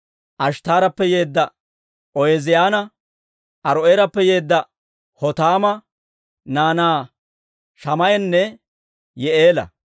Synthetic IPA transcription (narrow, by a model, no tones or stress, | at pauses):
ʔɐʃt̪aːɾɐpːɛje̞ːd̪ːɐ | ʔɔjɛzɪjaːnɐ | ʔɐɾɔeɾɐpːɛje̞ːd̪ːɐ | hɔt̪aːmɐ | naːnaː | ʃɐmɐjɛnːɛ | jɛʔeːlɐ̰